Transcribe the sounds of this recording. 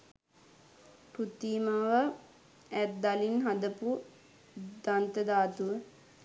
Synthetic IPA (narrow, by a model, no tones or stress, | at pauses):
put̪iːməʋə | æt̪̚d̪alinɦad̪əpu | d̪ant̪əd̪aːt̪uʋə